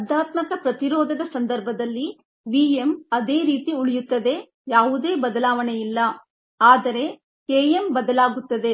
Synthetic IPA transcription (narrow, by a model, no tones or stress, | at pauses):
ɐd̪ʱːaːt̪mɐkɐpɾɐt̪iɾɔːd̪ɐd̪ɐsɐnd̪ɐɾbʱɐd̪ɐlːi | ʋiːemɐd̪e̞ːɾiːt̪iuɭijut̪ːɐd̪e̞ | jaːʋud̪e̞ːbɐd̪ɐlaːʋɐɳejilːɐ | aːd̪ɐɾe̞ | keːjembɐd̪ɐlaːɡut̪ːɐd̪e̞